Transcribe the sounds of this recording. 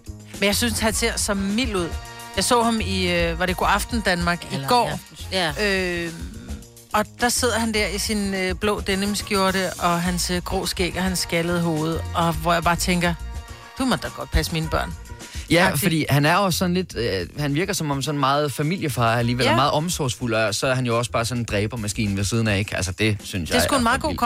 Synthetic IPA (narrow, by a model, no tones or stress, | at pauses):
menjɑ̈ɪsynshænse̝ɐ̰sɒ̽mil̰uð̞̰ˠjɑ̈ɪsɔ̰ːhɑ̈miʋɑ̈ɾeɡ̥ɒ̰ɑfd̥n̩d̥ænmɑ̈ːɡ̥iɡ̥ɒ̰ː | ø | ɒ̽d̥ɑ̈se̝ð̞̰ˠɐhænd̥æɐ̰isinøb̥lɔ̰̽ːd̥enəmsɡ̥jo̝ɐɾəʔɒ̽ɦænsɡ̥ʁɔ̰ːsɡ̥ḛɡ̥ɐhænsːɡ̥æləð̞̩ˠəɦo̝ːð̞̩ˠɒ̽ʋɒjɑ̈ɪb̥ɑ̈ːt͡sʰeŋɡ̥ɐ | d̥umɒd̥ɑ̈ɡ̥ɒ̽d̥̚pʰæsmiːnəb̥ɶɐ̰n | jæfɒd̥ḭːhænæɐɒsːɒ̽n̩le̝d̥hænʋiɐɡ̥ɐsɒ̽mɒ̽msɒ̽nmɑ̈ːð̩ˠfæmil̰jəfɑ̈ːæliːʋelmɑ̈ːð̞̩ˠɒ̽msɒsful̰ɒsɒ̽æɐhænjo̝ɒ̽sb̥ɑ̈ːsɒ̽nd̥ʁɛːb̥ɐmæsɡ̥ḭːnn̩ʋes̬ið̞ˠən̩æe̝ɡ̥ælsəd̥e̝synsjɑeɪsɡ̥uhænmɑ̈ːð̩ˠɡo̰kʰ